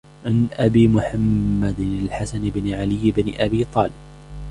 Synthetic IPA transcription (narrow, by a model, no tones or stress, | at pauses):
ʕanʔabiːmʊħamːad̪ɪnalħasanɪbnɪʕalɪjːɪbnɪʔabiːt̪ˤɑːlɪb̥̚